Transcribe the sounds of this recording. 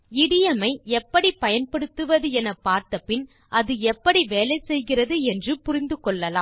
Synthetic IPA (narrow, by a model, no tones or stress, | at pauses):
ɪɽɪjɐmɐɪɛpːɐɽipɐjɐnpɐɽɯt̪ːɯʋɐðɯɛnɐpːaːɾt̪ɐpːɪn | ʔɐðɯɛpːɐɽiʋeːlɐɪsɛjɣɪrɐðɯɛndrɯpʊrɪnd̪ɯkɔɭːɐlaːm